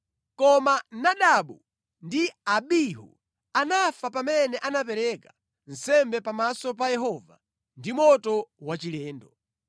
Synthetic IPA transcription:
kɔmanaɗaɓu | ndiaɓiɦṵ | anafapamɛnɛʔanap̬ɛɾɛkḁ | n̩sɛmbɛpamasɔp̬ajɛɦɔva̰ | ndimɔtɔwat͡ʃilɛːndɔ

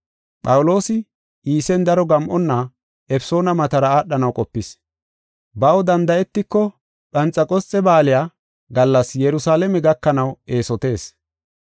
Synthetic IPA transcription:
pʼɐwʊlo̞ːsɪ | ʔiːsɛnd̪ɐɾɔɡɐmʔɔnːɐ | ʔɛfso̞ːnɐmɐt̪ɐɾɐaːɗːɐnɐwkʼɔpːɪs | bɐwɔd̪ɐnd̪ɐɛt̪ːɪkːɔ | ɓɐnt͡sʼːɐkʼɔt͡sʼːɛbaːlɪjaː | ɡɐlːɐsjɛɾʊsaːlɛmɛɡɐkːɐnɐwʔe̞ːsɔt̪e̞ːs

